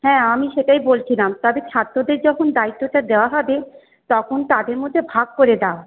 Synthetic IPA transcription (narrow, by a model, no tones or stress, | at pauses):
hɛ̃ːamiʃeʈajbolt͡ɕʰilamt̪ɔbet͡ɕʰat̪ːɾod̪eɾd͡ʑɔkʰond̪ait̪ːoʈad̪eoaɦɔbe | t̪ɔkʰont̪ad̪eɾmod̪ʱːebʱaɡ̚koɾed̪ao